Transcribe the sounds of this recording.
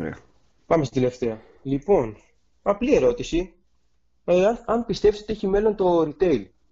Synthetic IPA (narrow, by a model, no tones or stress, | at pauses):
ɾ̰ | pɐmesit̪ele̞ft̪e̞ɐ | lipo̞n | ɐplie̞ɾo̞t̪isi | eɐnpist̪e̞fsot̪eçime̞lo̞nt̪o̞ɾit̪e̞jl